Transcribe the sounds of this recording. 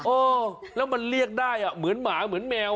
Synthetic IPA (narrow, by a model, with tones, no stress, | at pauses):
ʔoː˧˩ | lɛː˦˥wma˧nli˥˩ək̚daː˥˩jʔa˨˩mɯ˩˦ənmaː˩˦mɯ˩˦ənmɛː˧w